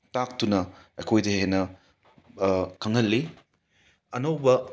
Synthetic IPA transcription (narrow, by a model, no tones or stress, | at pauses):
tak̚tunɐɐ̰jkʰojdɐhenɐ | kʰɐŋɐlːi | ɐnowbɐ